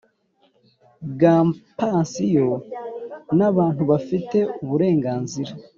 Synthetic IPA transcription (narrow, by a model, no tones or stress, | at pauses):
ɡaːmpaːnsijo | naβaːn̥huβafite̞uβuɾe̞ːŋɡaːnziɾa